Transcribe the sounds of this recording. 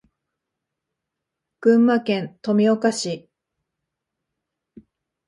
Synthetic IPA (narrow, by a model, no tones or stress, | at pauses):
ɡ̥ɯ̟̃mːakẽ̞nt̪o̞mʲiokaɕi